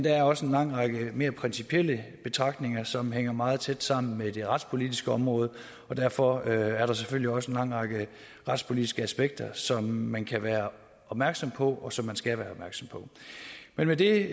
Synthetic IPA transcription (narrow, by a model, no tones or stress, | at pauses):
nd̥ɑæɐɒ̽səe̝nlɑ̈ŋ̰ʁɑ̈ɡ̥əme̝ːɐpʰʁɛnsipʰiel̰əb̥e̝t͡sʰʁɑ̈ɡ̥d̥ne̝ŋɐsɒ̽mɦeŋ̰ɐmɑ̈ːð̩ˠt͡sʰed̥sɑ̈m̰n̩med̥e̝ʁɑ̈d̥spʰo̝lid̥isɡ̥əɒ̽mʁɔ̽ːð̞̩ˠ | ɒ̽d̥æɐ̰fɒ̽æɐɾ̥ɑ̈s̬eføl̰liɒ̽səenlɑ̈ŋ̰ʁɑ̈ɡ̥ə | ʁɑ̈d̥spʰo̝lid̥isɡ̥əæsb̥eɡ̥̚d̥ɐsɒ̽mːænkʰæʋæːɐ | ɒ̽b̥̚mæɐɡ̥sɒ̽mpʰɒ̽ʔɒ̽sɒ̽mːænsɡ̥æʋæːɐɒb̥mæɐɡ̥sɒ̽mpʰɒ̽menmed̥e̝